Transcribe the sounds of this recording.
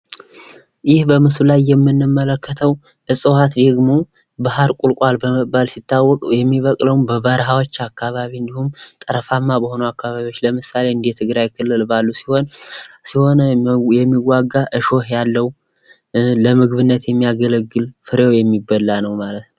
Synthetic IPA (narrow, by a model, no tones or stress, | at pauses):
jɪhbəmɨsulajːɛmːɨnːɨmːələkːət̪ʰəw | ʔɨsʼɨhat̪d̪əɨɡmo̞ | baɦaɾkʼulkʼwalbəməbalsit̪ʰːawːɔkʼjɛmːiβəkʼləwmbəβəɾɦawot͡ʃːakʰːaβaβiɨnd̪ihumt̪ʼɨɾəfamːabəho̞nəwakːaβaβio̞t͡ʃːləmɨsale̞ɨnd̪ijt̪ʰɨɡɾajkʰɨlːɨlbalːusi̥ho̞nsiho̞nəjɛmːiɡːaɡːaʔɨʃo̞hjalːəw | ləmɨɡβɨnːət̪jɛmːijaɡələɡːɨlfɨɾewjɛmːibːəlːanəwmalət̪nə